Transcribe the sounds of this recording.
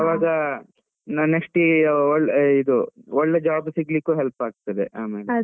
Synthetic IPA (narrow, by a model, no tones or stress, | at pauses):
ɐʋaːɡɐ | nɐnːeksʈiɔɭːid̪uɔɭːed͡ʒaːbsiɡɭikːuːɦelpaːɡ̚t̪ɐd̪ḛaːmeːl